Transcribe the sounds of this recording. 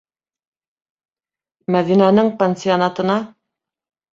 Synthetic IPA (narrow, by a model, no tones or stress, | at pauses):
mæðinænɘŋpʲenʲsʲɪonɑt̪ɤ̆nɑ